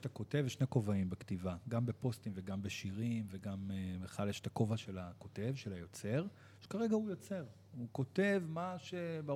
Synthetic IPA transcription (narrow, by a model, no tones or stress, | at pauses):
tako̞te̞vʃneko̞vaimbektivaɡambe̞po̞stimve̞ɡambeʃiʁimveɡameχaljeʃe̥tako̞vaʃe̞lako̞te̞vʃe̞lajo̞t͡se̞ʁ | ʃe̥kaʁe̞ɡaujot͡se̞ʁ | uko̞te̞vmaʃe̞ba